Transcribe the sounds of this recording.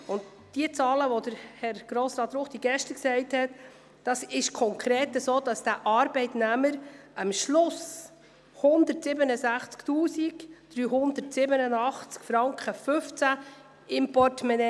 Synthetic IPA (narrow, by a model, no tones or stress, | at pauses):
ʊnd | d̥iət͡sɑːləʋodəɾhɛɾɡ̥ɾoːsɾɑːt̪ːɾʊχd̥iɡɛʃtəksɛɪthɛt | d̥ɑsɪʃkʰɔŋkʰɾeːt̪əsoːd̥ɑsd̥æʔɑːɾbɛɪtnæməɾɑmʃlʊs | hʊnd̪ətsɪbənəsæχt͡sktuːsikd̥ɾyːɦʊnd̪ətsɪbənənɑχt͡skfɾɑŋkχəfɵft͡sæ | ɪmpɔtmɛnɛ